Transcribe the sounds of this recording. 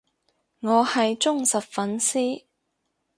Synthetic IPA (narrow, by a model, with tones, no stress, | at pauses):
ŋɔː˨˧hɐ˨jt͡sʊ˥ŋsɐ˨t̚fɐ˨˥nsiː˥